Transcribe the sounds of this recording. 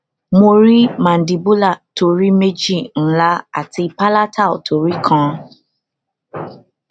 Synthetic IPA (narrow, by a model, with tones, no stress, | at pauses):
mo˧ɾi˦mã˨n̩˨di˨bu˦la˦˨to˧ɾi˦me˦d͡ʒi˦˨n̩˦la˦a̰˦˨ti˧pa˦la˦tʰa˦˨tʰo˨ɾi˦kʰã˧